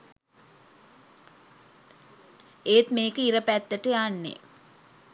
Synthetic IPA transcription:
eːt̪meːkəiɾɐpæt̪ːəʈəjaːnːḛ

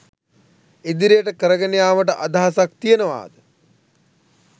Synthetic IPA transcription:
ed̪iɾijəʈəkəɾəɡənejaːməʈ̬əʔad̪aɦasak̚t̪ijənəʋa̰ːd̪ə

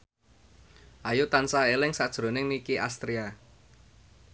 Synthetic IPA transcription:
ʔajut̪ansaelɪŋsad̥ʒ̥ɾo̤nɪŋnikiʔast̪ɾia

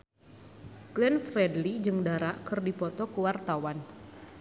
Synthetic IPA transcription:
klɛnfrɛdlid͡ʒɨŋdaɾaʔkɨrdipɔt̪ɔkuwart̪awan

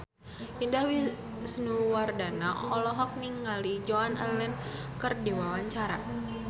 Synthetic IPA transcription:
ʔindahwi | snuwardana̰ɔlɔɦɔk̚niŋɡalid͡ʒɔanalɛnkərdiwawaɲt͡ʃaɾa

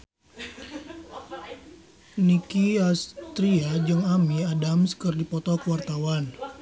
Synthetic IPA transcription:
nikiast̪ɾiad͡ʒɨŋamiadamskərdipɔt̪ɔkəwart̪awan

